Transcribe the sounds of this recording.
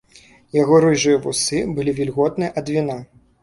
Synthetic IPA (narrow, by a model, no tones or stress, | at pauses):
jaɣɔɾɨʐɨjɐvusɨbɨlʲivʲilʲɣɔt̪̚nɨjɐʔɐd̪vʲina